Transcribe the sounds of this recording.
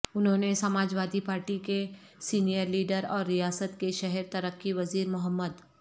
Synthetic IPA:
ʊnɦõːnesɐmaːd͡ʒʋwaːd̪ipaːɾʈike | siːnijəɾliːɖəɾɔːɾːijaːsət̪keʃɛɦɛɾt̪ɐɾəkːiʋɐziːɾmʊɦəmːəd̪

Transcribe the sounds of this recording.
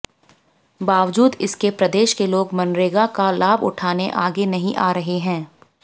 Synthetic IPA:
baːʋd͡ʒuːd̪ɪskepɾɐd̪eːʃkeloːɡmɐnɾeːɡakalaːbʊ̰ʈʰaːneʔaːɡenɐɦĩʔaːɾɐɦeɦɛ̃ː

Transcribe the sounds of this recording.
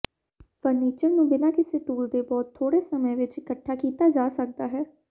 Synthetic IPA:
pəɾniːt͡ʃəɾnũːbɪnaːkɪseːʈuːld̪eːbɔːt̪ʰːoːɽeːsəməjʋɪt͡ʃɪkəʈʰːaːkiːt̪aːd͡ʒaːsək̚d̪aːɦɛː

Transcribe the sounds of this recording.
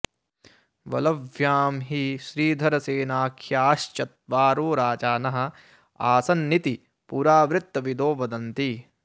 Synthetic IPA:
ʋɐ̰lɐʋʱjaːmɦiʃɾiːd̪ʱɐɾɐseːnaːkʰjaːʃt͡ʃɐt̪̚ʋaːɾoːɾaːt͡ʃaːnɐɦɐ̆ | aːsɐnːit̪i | puːɾaːʋɾɪt̪ːɐʋid̪oːʋɐd̪ɐnt̪i

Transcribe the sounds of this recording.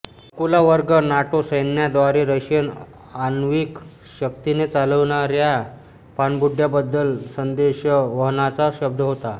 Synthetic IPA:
əkulaʋəɾɡənaʈosəjnjad̪ʋaɾeɾəɕjən | anʋik | ɕək̚t̪inet͡saləʋɳaɾja | panbuɖʱːjabəd̪ːəlsənd̪eɕəʋəɦnat͡saɕəb̚d̪ʱəɦot̪a

